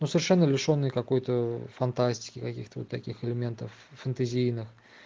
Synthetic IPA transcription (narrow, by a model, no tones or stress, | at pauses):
nusəvʲɪrʂɛnːəlʲɪʂo̞nːɨjkɐko̞jt̪əfɐnt̪asʲtʲɪ̥kʲɪkɐkʲḭxt̪əvot̪ːɐkʲixɪlʲɪmʲe̞nt̪əfːənt̪ɐzʲijnɨx